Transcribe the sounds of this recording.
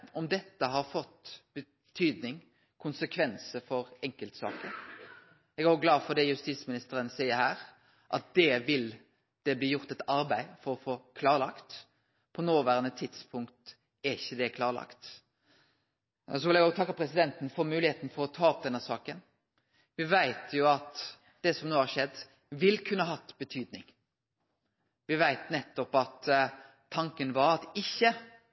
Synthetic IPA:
ɔmd̪ɛt̪ːəɦɑɾfɔt̪ːb̥ə | t̪ʰyːd̪nɪŋ | kʰʊnsəkʰʋɛnsəfɔɾɛŋkəlt̪sɑ̰ːkə | ɛɡæɾʊɡlɑːfɔd̪ɛjʉst̪iːsmɪnɪst̪əɾənsæɪəɾhæːɾ | ʔɑt̪̚d̪̥ɛʋɪl | d̪̥ɛbliːjʊɾt̪ɛt̪ɑɾbæɪfɔɾɔfoːkʰlɑːʁlɑkt̪ | pʰɔnoːʋæːɾənət̪ʰɪd̪spʰʊŋkt̪ | ɛɾɪçːəd̪ɛkʰlɑːɾɭɑ̰kt̪ | ɔs̬ɔʋɪlæɡɔt̪ʰɑkːəpʰɾɛsɪd̪ɛnt̪n̩fɔɾmʉːlɪheːt̪n̩fɔɾɔt̪ʰɑːɔp̚d̪ɛnːəsɑːkən | ʋɪʋæɪt̪ʰjʊɑt̪ | d̪̥ɛsɔmnoːhɑɾʂɛd̪ː | ʋɪlkʰʉnːəɑɦɑt̪ːbət̪ʰyːd̪nɪŋ | ʋɪʋæɪt̪nɛt̪ːɔpɑt̪ʰː | ɑŋkənʋɑɾɑt̪ɪçːə

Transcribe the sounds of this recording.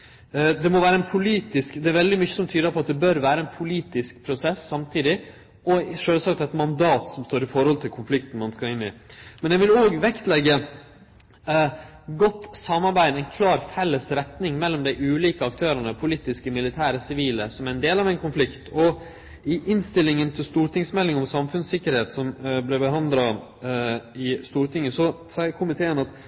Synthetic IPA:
d̪ɛmɔʋæːɾəɛnpʰʊliːt̪ɪskd̪ɛæɾʋɛld̪ɪmʏçːəsɔmt̪ʰyːd̪əpʰɔɑt̪̚d̪ɛbœɾʋæːɾəɛnpʰʊliːt̪ɪsk̚pʰɾʊsɛsːɑmt̪ʰiːd̪ɪ | ʔɔʂøːlsɑkt̪ɛt̪mɑnd̪ɑːt̪sɔmst̪oːɾɪfɔɾhɔlt̪ʰɪlkʰʊnflɪk̚t̪ən̩mɑnskɑlɪnːɪmɛnjɛʋɪloːɡʋɛkt̪lɛɡːə | ɡɔt̪ːsɑmːɑɾbæɪd̪æɪnkʰlɑːɾfɛlːəsɾɛt̪nɪŋmɛlːɔmd̪æɪʔʉːliːkəɑkt̪ʰøːɾənəpʰʊliːt̪ɪskəmɪlɪt̪ʰæːɾəsɪʋiːləsɔmæɾɛnd̪eːlɑʋɛɪnkʊnflɪkt̪ʰɔ | ɪʔɪnst̪ɪlːɪŋənt̪ʰɪlst̪uːɾt̪ɪŋsmɛlːɪŋɔmsɑmfʉnsɪkːəɾheːt̪sɔmblɛbəɦɑnd̪ɾɑ | ɪst̪uːɾt̪ʰɪŋːəsɔ | sɑɪəkʰʊmɪt̪ʰeːənɑt̪

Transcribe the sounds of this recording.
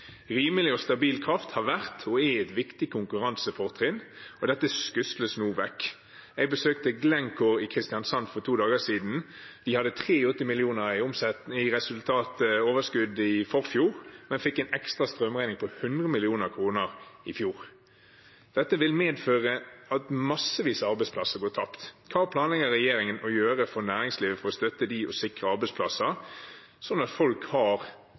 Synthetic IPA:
ʁiːməlɪɔst̪ɑbiːlkʰʁɑft̪hɑʁʋæʁt̪ʰɔɛɛt̪ʋɪkt̪ɪkʰʊŋkʉʁɑnsəpʰɔʁt̪ʰʁɪnɔd̪ɛt̪ːəskʉsləsnuːʋɛkː | ɛɪɡ̚bəsøːkt̪əɡlɛŋkʰɔɾɪkʰʁɪst̪ɪɑnsɑnfɔʁt̪ʰuːd̪ɑːɡəsiːd̪n̩ | d̪̥ɪhɑd̪ət̪ʰʁeːɔt̪ːɪmɪlɪuːnəʁɪʊmsɛɪʁɛsʉlt̪ʰɑːt̪əoːʋəskʉd̪ɪfɔʁfjuːʁmɛnfɪkːɛnɛkst̪ɾɑst̪ɾœmæɪnɪŋpʰɔhʉnd̪ʁəmɪlɪuːnəɾkʰɾuːnəʁɪfjuːʁ | d̪̥ɛt̪ːəʋɪlmeːd̪føːʁəɑt̪mɑsəʋiːsəɑɾbɛɪspʰlɑsːəɡoːt̪ʰɑpt̪kʰɑːpʰlɑːnlɛɡəʁɛjeːɾɪŋənɔjøːʁəfɔɾnæːɾɪŋsliːʋəfɔʁɔst̪œt̪ːəd̪iɔsɪkʁəɑɾbɛɪspʰlɑsə | sɔnɑt̪fɔlkhɑʁ

